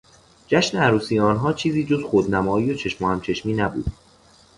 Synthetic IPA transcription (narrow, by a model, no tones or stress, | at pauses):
d͡ʒæʃneæɾuːsiːjɒːnɦɒːt͡ʃʰiːziːd͡ʒo̞zxod̪næmɒːiːjot͡ʃʰe̞ʃmohæmt͡ʃʰe̞ʃmiːnæbṵːd̪